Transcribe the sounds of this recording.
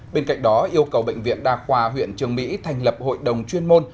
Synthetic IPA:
ɓe˧nka̰˧˨jŋ̟ɗɔ˨˦ʔʔi˧əwkə˨˩wɓə̰˧˨jŋ̟vḭ˧˨ənɗaː˨˩xwaː˨˩ɦwḭ˧˨ənt͡ɕɨ˨˩əŋmḭ˧˥t̪ʰa˨˩jŋ̟lə˨˩p̚ho̰˧˨jɗə˨˩wŋ͡mt͡ɕwi˧ənmo˧n

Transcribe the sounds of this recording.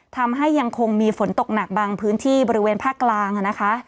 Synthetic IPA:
t̪ʰa˧mɦa˥˩jːa˧ŋkʰo˧ŋmiː˧fo˩˦nt̪o˨˩k̚na˨˩k̚baː˧ŋpʰɯː˦˥nt̪ʰiː˥˩bɔː˧ɾi˦˥weː˧npʰaː˥˩kːlaː˧ŋʔa˨˩na˦˥kʰa˦˥ʔ

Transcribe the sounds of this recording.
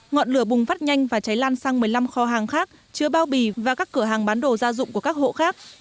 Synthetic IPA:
ŋɔ̰˧˨nlɨ˧˩əɓʊ˨˩ŋ͡mfaː˦˥t̚ɲa˧jŋ̟vaː˨˩t͡ɕa˨˦jlaː˧nsaː˧ŋmɨ˨˩əjla˧mxɔ˨˦ɦaː˨˩ŋxaː˦˥k̚ | t͡ɕɨ˧əɓaː˧wɓi˧˩vaː˨˩kaː˦˥kːɨ˧˩əɦaː˨˩ŋɓaː˨˦nɗo˨˩zaː˧zʊ̰˧˨ŋ͡mku˧˩əkaː˦˥k̚ho̰˧˨xaː˦˥k̚

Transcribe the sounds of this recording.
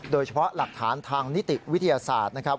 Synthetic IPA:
doː˧jt͡ɕʰpʰɔ˦˥la˨˩k̚t̪ʰaː˩˦nt̪ʰaː˧ŋni˦˥t̪ːi˨wt̪ʰːa˧jaː˧sa̰ː˨˩t̪̚na˥kʰɾa˦˥

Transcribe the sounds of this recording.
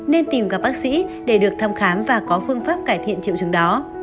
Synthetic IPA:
ne˧nt̪i˨˩mkaː˦˥k̚ɓaː˦˥k̚sḭ˧˥ɗe˧˩ɗɨ˨˩ək̚t̪ʰa˧mxaː˨˦mvaː˨˩kɔ˨˦fɨ˧əŋfaː˦˥p̚kaː˧˩jt̪ʰḭ˧˨ənt͡ɕḭ˧˨əwt͡ɕɨ˨˦əŋɗɔ˨˦

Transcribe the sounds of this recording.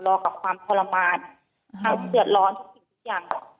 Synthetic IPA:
lɔː˧ka˨˧˩p̚kʰwaː˧mpʰɔː˧la˧maː˧n | a˧˩sɯ˧˩ət̪̚lɔː˧˥nt̪̚ʰsi˧˩t̪ʰuː˧˥˩jaː˨˩ŋ

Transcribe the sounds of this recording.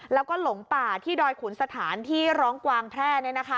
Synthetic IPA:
lɛː˦˥wkɔː˥˩lo˩˦ŋpaː˨˩t̪ʰiː˥˩dɔː˧jkʰuː˩˦nsa˧t̪ʰaː˩˦nt̪ʰiː˥˩ɾɔː˦˥ŋkwaː˧ŋpʰɾɛː˥˩ni˥˩na˦˥kʰa˦˥

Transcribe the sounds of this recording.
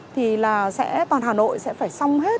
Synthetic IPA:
t̪ʰi˨˩laː˨˩sɛ̰˧˥t̪waː˨˩nɦaː˨˩no̰˧˨jsɛ̰˧˥faː˧˩jsa˧wŋ͡mhe˦˥t̚

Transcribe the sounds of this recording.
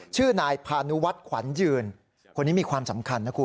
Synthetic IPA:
t͡ɕʰɯː˥˩naː˧jpʰaː˧nu˦˥wa˦˥t̪̚kʰwa̰˩˦njɯː˧n | kʰo˧niː˦˥miː˧kwaː˧msa˩˦mkʰa˧nːaː˦˥kʰu˧

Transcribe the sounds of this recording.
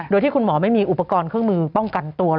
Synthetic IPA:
do˧jt̪ʰiː˥˩kʰu˧nmɔː˩˦ma˥˩jmiː˧ʔu˨˩pa˧kɔː˧nkʰɯ˥˩əŋmɯː˧pɔ˥˩ŋka˧nt̪u˧ɐ

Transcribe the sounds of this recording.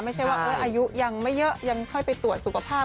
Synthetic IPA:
ma˥˩jt͡ɕʰa˥˩jwaː˥˩ʔɤː˧˥˩ʔaː˧ju˦˥ʔja˧ŋma˥˩jːɤ˦˥ʔja˧ŋkʰɔ˥˩jpa˧jt̪u˨˩ət̪̚su˨˩kʰa˧pʰaː˥˩

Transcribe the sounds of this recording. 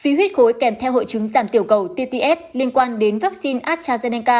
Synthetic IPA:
fi˨˦ɦwi˦˥t̚xo˨˦jkɛ˨˧˩mt̪ʰɛ˧wɦo̰˧˨jt͡ɕɨ˨˦ŋzaː˧˩mt̪i˧˩əwkə˨˩wt̪i˧t̪i˧ʔɛ˦˥t̚li˧ənkwaː˧nɗe˨˦nvaː˦˥k̚si˧nʔaː˦˥t̚t͡ɕaː˧zɛ˧nɛ˧ŋkaː˧

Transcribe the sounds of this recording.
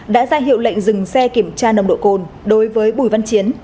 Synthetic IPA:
ɗa̰ː˧˥zaː˧ɦḭ˧˨wlə̰˧˨jŋ̟zɨ˨˩ŋsɛ˧ki˧˩əmt͡ɕaː˧nə˨˩wŋ͡mɗo̰˧˨ko˨˩nɗo˨˦jvəː˨˦jɓu˧˩jva˧nt͡ɕi˨˦ən

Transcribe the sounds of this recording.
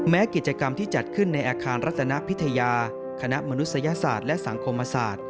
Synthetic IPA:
mɛː˦˥ki˨˩t̪̚t͡ɕa˧ka˧mt̪ʰiː˥˩t͡ɕa˨˩t̪̚kʰɯ˥˩nːa˧jʔaː˧kʰaː˧nɾa˦˥t̪̚ːʰa˧na˦˥ʔpʰi˦˥t̪ʰa˧jaː˧ | kʰa˧na˦˥ʔma˧nu˦t̪̚sa˧ja˧sa̰ː˨˩t̪̚lɛ˦˥ʔsa˩˦ŋkʰo˧mːa˧sa̰ː˨˩t̪̚

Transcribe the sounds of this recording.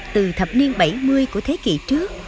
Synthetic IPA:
t̪ɨ˨˩t̪ʰə˨˩p̚ni˧ənɓa˧˩jmɨ˧əjku˧˩ət̪ʰe˨˦kḭ˧˨t͡ɕɨ˦˥ək̚

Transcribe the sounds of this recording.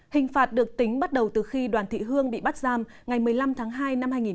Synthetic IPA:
hï˨˩ŋ̟faː˨˩t̚ɗɨ˨˩ək̚t̪ï˨˦ŋ̟ɓa˦˥t̚ɗə˨˩wt̪ɨ˨˩xi˧ɗwaː˨˩nt̪ʰḭ˧˨ɦɨ˧əŋɓḭ˧˨ɓa˦˥t̚zaː˧m | ŋa˨˩jmɨ˨˩əjla˧mt̪ʰaː˨˦ŋɦaː˧jna˧mhaː˧jŋi˨˩

